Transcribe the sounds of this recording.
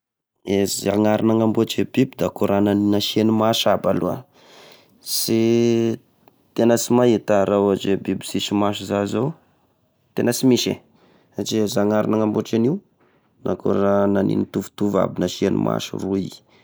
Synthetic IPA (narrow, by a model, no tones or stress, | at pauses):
eziaŋaɾinaŋambot͡ʃebibid̪akoɾananinaʃenimaʃabalua̰ | si | t̪enəsimajit̪aɾawad͡ʒebibisisimaʃ̬izazow | t̪enəsimiʃḛ | sat͡ʃiezaŋaɾinaŋamboʈ͡ʂaniw | nʔa̰koɾananḭnit̪uvu̥t̪uva̰binaʃienṵmʔa̰ʃṵrui